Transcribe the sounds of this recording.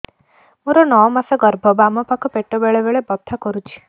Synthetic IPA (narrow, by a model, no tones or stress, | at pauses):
muɾɔnɔɔmasaɡɔɾbʱɔbamɔpakʰɔpeʈɔbeɭebeɭebɔt̪ʰːakɔɾut͡ʃʰi̥